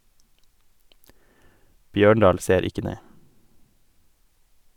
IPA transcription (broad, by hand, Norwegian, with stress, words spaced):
ˈbjøːɳɖɑːl ˈseːɾ ˈɪkə ˈneː